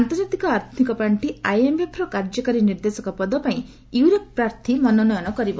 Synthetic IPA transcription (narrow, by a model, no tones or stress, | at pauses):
ant̪ɔɾd͡ʒat̪ikɔaɾt̪ʰnikɔpɾaɳʈiajembepʰɾɔkaɾd͡ʒɔkaɾiniɾd̪esɔkɔpɔd̪ɔpaĩ | iwɾɔk̚pɾaɾt̪ʰimɔnɔnɔjɔnɔkɔɾibɔ